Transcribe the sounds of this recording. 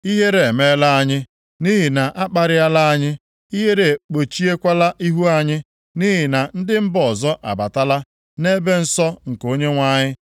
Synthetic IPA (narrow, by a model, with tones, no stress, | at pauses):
i˦ɦe˦ɾe˨e˨me˦la˦a˦ɲɪ˦ | ni˦ɦɪ˨na˨ʔa˦k͡pa˨ɾɪ˦a˦la˦a˦ɲɪ˦ | i˦ɦe˦ɾe˨k͡po˨t͡ʃi˦e˦kʷa˦la˦ʔi˦ɦu˦a˦ɲɪ˦ | ni˦ɦɪ˨na˨n̩˦dɪ˦m̩˦bɔ˨zɔ˦ʔa̰˨ba˨ta˦la˦ | ne˦be˦n̩˦sɔ˦ŋ̩˨ko˦ɲe˦ŋʷa˦ɲɪ˦